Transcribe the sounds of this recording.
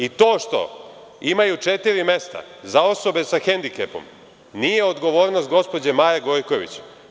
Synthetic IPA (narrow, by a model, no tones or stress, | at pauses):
it̪o̞ːʃt̪o̞̰ | imajut͡ʃe̞t̪iɾime̞st̪a̰zao̞so̞be̞saxend̪ikḛpo̞̰m | nije̞o̞d̪ɡo̞ʋo̞ːɾnost̪̚ɡo̞spo̞d͡ʑemaːjeɡo̞jko̞ʋḭt͡ɕ